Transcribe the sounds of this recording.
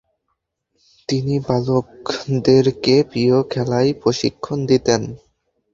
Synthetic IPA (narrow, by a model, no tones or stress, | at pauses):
t̪inibalokd̪eɾkepiokʰɛlajpɾoʃḭkʰːond̪it̪en